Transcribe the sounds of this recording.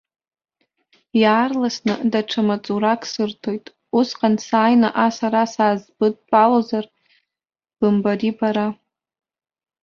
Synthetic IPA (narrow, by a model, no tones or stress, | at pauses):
jaːrlasnɨdaʈ͡ʂʰamat͡sʼuɾakʰʼsɨrtʰo̞jtʼ | usqʼansaːjnaʔasaɾasaːzbɨd̚pʼalozar | b̥ɨmbaɾibaɾa